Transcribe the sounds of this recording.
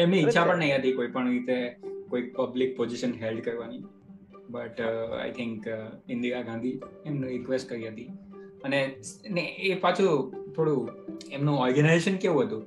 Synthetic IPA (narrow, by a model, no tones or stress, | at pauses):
emniːtːʃʰapəɳnəɦĩɦət̪ikoipəɳɾit̪ekoik̚pəblɪk̚pod͡ʒɪʃənɦelɖkəɾʋani | bəʈa̰jt̪ʰɪŋkɪ̃nd̪iaɡãnd̪ʱiemnũɾɪkʋesʈ̚kəɾiɦət̪i | əneneepat͡ʃʰut̪ʰoɽũemnũɔɾɡənajzeʃənkeʋũɦət̪ũ